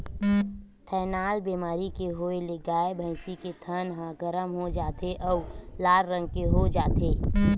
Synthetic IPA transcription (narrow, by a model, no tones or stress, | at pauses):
t̪ʰɛːnaːlbemaːɾikeɦoeleɡaːebʱəɪsiket̪ʰənɦə̃ɡəɾəmɦod͡ʒaːt̪eʔɔːʊlaːɾɾə̃ŋɡ̚keɦod͡ʒaːt̪eː